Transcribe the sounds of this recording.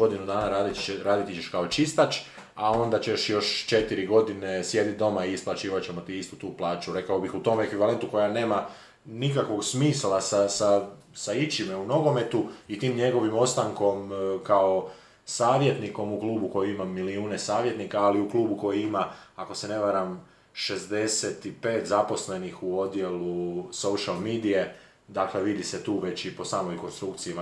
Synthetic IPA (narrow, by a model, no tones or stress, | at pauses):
o̞d̪inud̪aːnaɾaɾaːd̪it̪it͡ɕeʃkao̞t͡ʃist̪at͡ʃ | ao̞nd̪at͡ɕeʃjo̞ʃt͡ʃe̞t̪iɾiɡo̞d̪ine̞sje̞d̪it̪̚d̪o̞maiːsplˠat͡ɕiːʋat͡ɕe̞mo̞t̪iist̪ut̪uːplˠaːt͡ʃuɾe̞kaobixut̪o̞me̞kʋiʋalˠe̞nt̪uko̞jane̞ːma | nikakʋo̞ɡsmiːslasasa | sait͡ʃimeuno̞ɡo̞me̞t̪uit̪iːmɲe̞ɡo̞ʋimo̞t̪st̪aŋko̞mkao | saːʋje̞t̪niko̞mukluːbuko̞jiimamːiliuːne̞saːʋje̞t̪nikaːliukluːbuko̞jiimaːko̞se̞ne̞ʋaɾam | ʃe̞zd̪e̞set̪ipe̞ːt̪zapo̞sle̞nixuo̞d̪je̞luso̞uʃalmiːd̪ije̞ | d̪akle̞ʋid̪iset̪uːʋe̞t͡ɕipo̞saːmojko̞nst̪ɾukt̪sijima